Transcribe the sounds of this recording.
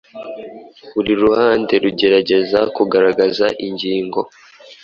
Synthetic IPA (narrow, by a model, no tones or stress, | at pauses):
βuɾiɾuhaːnde̞ɾuɟe̞ɾaɟe̞zakuɡaɾaɡazaʔiɲɟiːŋɡo̞